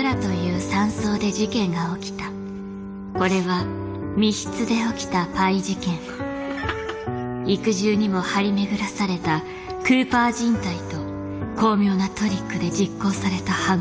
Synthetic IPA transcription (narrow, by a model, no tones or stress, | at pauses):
ɾat̪o̞jɯ̟ːsãɰ̃so̞ːd̪e̞ʑikẽ̞ŋɡao̞kʲi̥t̪a | ko̞ɾe̞βa | mʲiçi̥t͡sɨd̪e̞o̞kʲi̥t̪apaid͡ʑikẽ̞ŋ | ikɯ̟ʑɨːɲ̟imo̞haɾʲime̞ɡɯ̟ɾasaɾe̞t̪a | kɯ̟ːpaːʑĩnt̪ait̪o̞ | ko̞ːmʲo̞ːnat̪o̞ɾʲikːɯ̟d̪e̞d͡ʑikːo̞ːsaɾe̞t̪aha